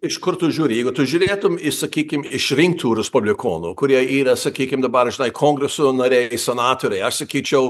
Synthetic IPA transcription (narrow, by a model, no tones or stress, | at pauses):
ɪʃkʊɾt̪ʊʒʲuːɾʲɪjɛɪɡʊt̪ʊʒʲuːɾʲeːt̪ʊmɪsɐkʲiːkʲɪmɪʃɾʲɪŋk̚t̪uːɾʲɛspʊbʲlʲɪkʰoːnṵkʊɾʲiɛiːɾɐsɐkʲiːkʲɪmd̪ɐbɐrʒʲɪnɐɪkʰoːŋɡɾʲɛsoːnɐɾʲeɪsʲɛnɑːt̪oːɾʲɛɪɐʃsɐkʲiːt͡ʃʲɛʊ